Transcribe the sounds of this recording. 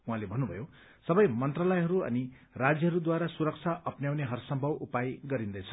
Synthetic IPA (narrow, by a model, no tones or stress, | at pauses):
uɦãlebʱʌnːubʱʌ̰jo | sʌbʌjmʌnt̪ralʌjɦʌɾuʌ̰ni | rad͡zjʌɦʌɾud̪waɾasuɾʌkt͡sʰaʔʌpnjawneɦʌrsʌmbʱʌbupajɡʌɾind̪ʌjt͡sʰʌ